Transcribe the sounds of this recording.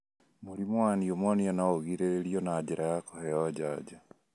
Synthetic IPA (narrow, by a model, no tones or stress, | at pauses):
muɾimowaniomonianaoɣiɾeeɾionaɟiɾajakoheɔɟaːd͡ʒa